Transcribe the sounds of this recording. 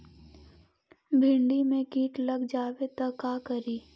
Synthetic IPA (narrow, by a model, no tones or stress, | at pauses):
bʱɪ̃ɳɖimẽkiːʈlɐɡd͡ʒaːwet̪ɐkaːkəɾiː